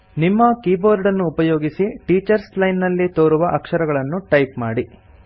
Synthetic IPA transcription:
nimːɐkiːboːɾɖɐnːuːpɐjoːɡisiʈiːt͡ʃɐɾslɐjnːɐlːit̪oːɾuʋɐʔɐkʂɐɾɐɡɐɭɐnːuʈɐjpmaːɽi

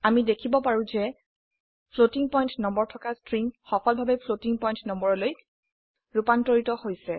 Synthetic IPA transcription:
amidekʰibɔpaɹũzɛ | pʰlotiŋpɔj̃ntnɔmbɔɹtʰɔkastɹiŋxɔpʰɔlbʱabɛpʰlotiŋpɔjntnɔmbɔɹɔloj | ɹupantɔɹitɔhojsɛ

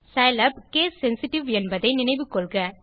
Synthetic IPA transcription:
sɐjlɐbkeːsːɛnsɪʈːɪʋɛnbɐðɐɪnɪnɐɪʋɯkːɔɭɣɐ

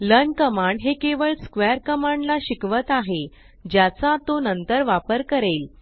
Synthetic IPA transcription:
lənkəmaɳɖɦekeʋəɭskʋeɾkəmaɳɖlaɕikʋət̪aɦe | d͡ʑjat͡sat̪onənt̪əɾʋapəɾkəɾel

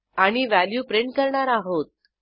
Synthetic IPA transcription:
aɽ̃iʋæljuːpɾeɳʈkəɾɳaɾaɦot̪̚

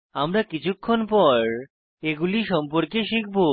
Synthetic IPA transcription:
amɾakit͡ɕʰukʰːonpɔɾ | eɡuliʃɔmpoɾkeʃikʰbo

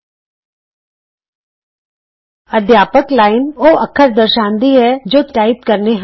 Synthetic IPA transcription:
ɐd̪ʱjaːpəklaːɪnoːɐkʰːəɾd̪əɾʃãːnd̪iɦɛd͡ʒoʈaːɪpkəɾneɦ

